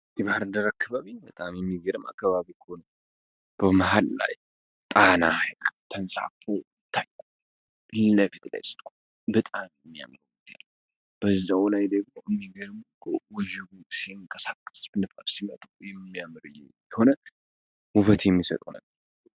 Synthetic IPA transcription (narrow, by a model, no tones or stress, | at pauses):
d̪iβahaɾɨnd̪əɾakʰːaβaβibət̪ʼamjɛmːiɡəɾɨmʔa̰kːaβaβikʰonə | b̥əmaɦalla̰j | t̪ʼanahalʼt̪ʰənsa̰fo | t̪ʰːajko | lɨnəfit̪la̰jsɨ̥t̪ʼu | bət̪ʼamjɛmːija̰mɾɨwut̪ʰe | b̥əzːawlajd̪əɡɨmoʔɨmːiɡəɾɨmkʰowɔʒɪɡusiɨŋkʼəsakʼːə̥sbɨnɨfʼafsimət̪ʼujɛmɨmːijamɨɾɨjɛ | ɛho̞nə | wʊfət̪jɛmːisə̰t̪ʼnə̰bːəɾ